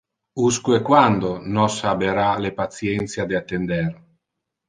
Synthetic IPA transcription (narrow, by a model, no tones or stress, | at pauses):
uskuekwand̪onɔsabeɾalepat̪sjɛnt̪sjad̪eat̪ːend̪ɛr